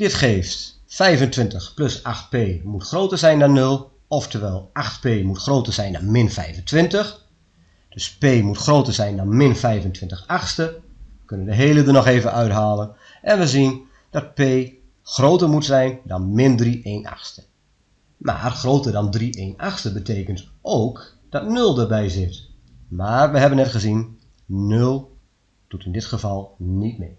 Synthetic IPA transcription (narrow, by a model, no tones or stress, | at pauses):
d̥ɪtxeːft | fɛjvəntʋɪntəxplɵsaxt̚peːmutxroːtərzɛjndɔnːɵlˠ | ɔftʰəʋɛːlˠʔaxtpeːmutxroːtərz̥ɛjndɔnmɪnfɛjvəntʋɪntəx | d̥øspeːmutxroːtərzɛjndɔnmɪnfɛjvəntʰʋɪntəxaxstəʋəkønəndəɦeːlədənɔxeːvənʔœɥtɦaːlˠən | ʔɛnʋəzin | d̥ɔt̚peː | xroːtərmutsɛjndɔnmɪndrieːna̰xstə̥ | ma̰ːrxroːtərdɔndriʔeːnaxstəbətʰeːkəntʔoːk | d̥ɔtnɵlˠdərbɛjzɪt | maːrʋəɦɛbənːɛtχəzin | nølˠ | d̥utɪndɪtχəvɑlˠnit̚mɪ